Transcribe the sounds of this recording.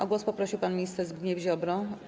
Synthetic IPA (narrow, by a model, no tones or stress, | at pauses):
ʔɔɡwɔspɔpɾɔɕiwpanmʲiɲist̪ɛɾzbɡ̪ɲɛvʑɔbɾɔ